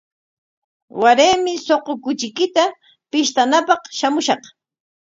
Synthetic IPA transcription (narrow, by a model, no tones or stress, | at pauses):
waɾeːmɪsoqokʊt͡ʃɪkɪt̪a | pɪʃt̪anapɑχʃamʊʃɑq